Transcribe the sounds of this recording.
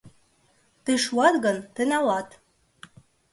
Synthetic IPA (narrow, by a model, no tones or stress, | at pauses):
t̪eʃuɑt̪ɣɤ̆nt̪ɘ̆nʲɑlɑt̪